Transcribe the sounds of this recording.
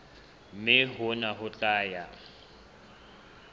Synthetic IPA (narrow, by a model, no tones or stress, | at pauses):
mɪɦʊnaɦʊt͡ɬʼaːja